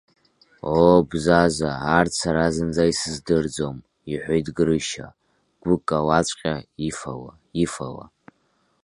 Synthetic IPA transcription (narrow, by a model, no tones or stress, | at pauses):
obzazaart͡sʰaɾazɨnd͡zaisɨzdɨrd͡zom | iħʷejtʼɡɨɾɨʃa̰ | ɡ̥ʷʊkʼawat͡ɕʷʼqʲʼaifa̰wa | ifawa̰